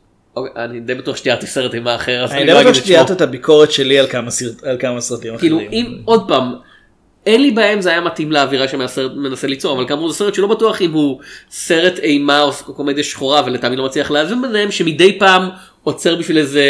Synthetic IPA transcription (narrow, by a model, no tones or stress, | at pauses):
okeanid̪ejbatuaχʃt̪iat̪iseʁetejmaːχeʁaznaidiejbauaʃtt̪iat̪itabikʰo̞ʁetʃelialkamaalkamasʁatimkiluiimo̞d̪̚paːm | e̞nlibaemzeajamatimleaviʁaʃemsemenaselit͡so̞ʁavalkamuzese̞etʃelo̞batuaχimhuse̞ʁetejmaokokomed̪eʃχoʁavelet̪aːmid̪lomat͡sliaχleavinbeneemʃemidejpaːm | ot͡se̞ʁbiʃvileze